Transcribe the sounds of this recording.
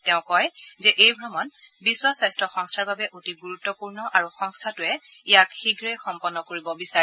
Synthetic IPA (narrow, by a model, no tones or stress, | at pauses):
tɛʊ̃kɔjzɛʔejbʱɹɔmɔn | bisːɔsajstɹɔxɔŋstʰaɹbabɛʔotiɡuɹutːɔpuɹnɔʔaɹuxɔŋstʰatʊɛijakxiɡʱɹejxɔmpɔnːɔkoɹibɔbisaɛ